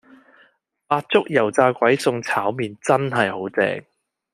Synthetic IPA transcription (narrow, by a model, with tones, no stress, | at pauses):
paː˧t̚t͡sʊ˥k̚jɐ˨˩wt͡saː˧kʷɐ˨˥jsʊ˧ŋt͡sʰaː˨˥wmiː˨˧nt͡sɐ˥nɦɐ˨jho˨˥wt͡sɛ̰ː˧ŋ